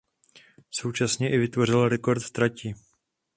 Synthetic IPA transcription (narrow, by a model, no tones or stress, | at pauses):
so̞wt͡ʃasɲɛʔɪvɪt̪vo̞r̝ɪlɾɛko̞ɾt̪t̪ɾacɪ